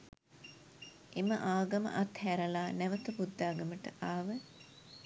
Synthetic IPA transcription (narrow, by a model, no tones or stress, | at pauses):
eməʔaːɡɐmə̰ʔat̪hæɾəlaːnæʋət̪əbud̪ːaːɡəməʈəʔaːʋə